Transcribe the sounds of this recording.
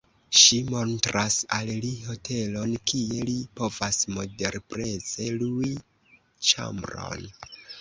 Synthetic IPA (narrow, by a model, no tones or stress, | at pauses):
ʃimo̞ntɾasalliɦo̞tʰe̞lo̞nkʰie̞lipo̞vasmo̞de̞ɾpɾe̞ze̞lui | t͡ʃa̰mbɾo̞̰n